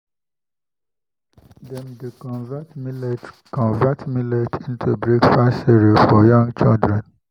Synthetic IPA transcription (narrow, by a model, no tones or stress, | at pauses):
dɛ̃mdekɔ̃nvatmilet | kɔ̃nvatmiletʰĩntʰubɹikfasiɹifɔjɔ̃ŋɡt͡ʃildɹɛ̃n